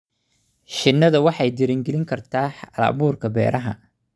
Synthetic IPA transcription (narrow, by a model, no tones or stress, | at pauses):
ʃɪnːɐðɐwɑħɑjd̪ɪɾɪŋɡɛlɪŋkʰɐrt̪ʰaːħɑla̰ːβuːrkʰɐbɛ̰ːɾʔɐɦɐ̰